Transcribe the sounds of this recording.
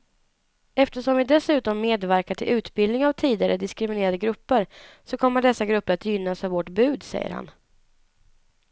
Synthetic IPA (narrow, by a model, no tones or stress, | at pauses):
ɛft̪əʂɔmvɪd̪ɛsʉ̟ːt̪ɔmːeːd̪væɾkaʈʰɪlʔʉ̟ːt̪bɪld̪nɪŋavt̪ʰiːd̪ɪaɾəd̪ɪskɾɪmɪneːɾad̪əɡɾɵpːəɾsɔkʰɔmːəɖɛsːaɡɾɵpːəɾat̪jʏnːasavvɔʈbʉ̟ːd̪sɛ̰jːə̰ɾha̰n